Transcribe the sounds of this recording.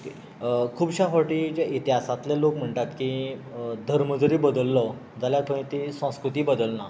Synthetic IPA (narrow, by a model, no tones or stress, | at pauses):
oke | kʰuːbɕafoʈiːd͡ʑjaʔit̪iɦasat̪lɛlokm̤əɳʈ̪at̪ki | d̪ʱəɾməd͡zəɾiːbəd̪əlːɔ | d͡zaljat̪ʰə̃ĩt̪isə̃skɾut̪iːbəd̪əlna